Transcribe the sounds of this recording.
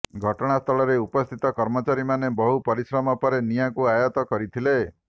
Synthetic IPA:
ɡʱɔʈɔɽ̃ast̪ʰɔɭɔɾeupɔst̪ʰit̪ɔkɔɾmɔt͡ʃaɾimanebɔɦupɔɾisɾɔmɔpɔɾenijakuajɔt̪ɔkɔɾit̪ʰile

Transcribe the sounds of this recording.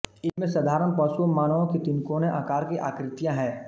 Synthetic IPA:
ɪsmẽsɐd̪ʱaːɾənpɔːsuəmaːnəʋõkit̪ɪnkoːneʔaːkaːɾkiʔaːkɾɪt̪jãɦɛː

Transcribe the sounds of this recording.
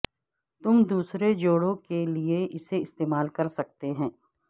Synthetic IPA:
t̪ʊmd̪uːsɾed͡ʒoːɽõkelieʔɪseɪst̪eːmaːlkɐɾsɐk̚t̪eɦɛ̃ː

